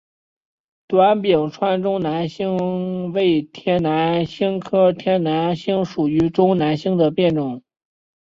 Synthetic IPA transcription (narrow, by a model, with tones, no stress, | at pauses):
t̪wa˧˥npji˨˩ŋʈ͡ʂʰwa˥nʈ͡ʂʊ˥ŋna˧˥nɕi˥ŋwe˥˩ɪt̪ʰjɛ˥nna˧˥nɕi˥ŋkʰɤ˥t̪ʰjɛ˥nna˧˥nɕi˥ŋʂu˨˩y˧˥ʈ͡ʂʊ˥ŋna˧˥nɕi˥ŋd̪ə˨pjɛ˥˧nʈ͡ʂʊ˥˩˦ŋ